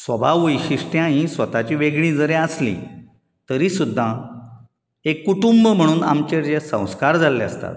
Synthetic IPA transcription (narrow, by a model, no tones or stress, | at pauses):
sʋəbʱaʋəjɕiʂʈjãɦĩsʋət̪at͡ɕiːʋeɡɭĩd͡zəɾeəslḭ | t̪əɾisud̪ʱːã | ekːuʈumbəm̤əɽ̃uːna̰mt͡ɕeɾd͡ʑesə̰̃w̃skaɾd͡zʱalːeə̰st̪a̰t̪̚